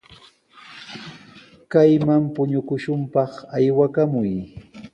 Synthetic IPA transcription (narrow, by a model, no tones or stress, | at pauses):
kajmampʊɲʊkʊʃʊmpɑχajwakamʊj